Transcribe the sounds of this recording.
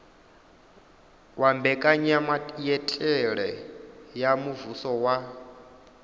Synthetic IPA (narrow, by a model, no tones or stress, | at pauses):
wambɛkʼaɲamajɛtʼɛɺɛjamuvusɔwa